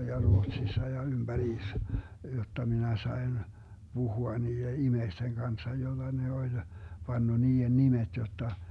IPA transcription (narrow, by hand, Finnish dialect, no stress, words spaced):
jɑ ruotsisːɑ jɑ ymb̥æriːs jotːɑ minæ sɑi̯n b̥uhuɑ niːe imeisteŋ ɡ̊ɑnsːɑ jolːɑ ne olʲ pɑnːɑ niːen nimet jotːɑ